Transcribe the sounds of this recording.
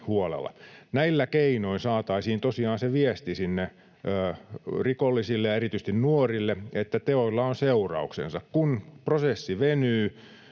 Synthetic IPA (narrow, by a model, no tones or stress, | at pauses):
huolḛlːɑ̰næilːækeinoinsɑːt̪ɑisiːnt̪osiɑːnseʋiest̪isinːeː | rikolːisilːejɑerit̪yis̆t̪innuorilːeet̪ːæt̪eoilːɑonseurɑ̰uksḛnsɑkkunprosesːiʋenyː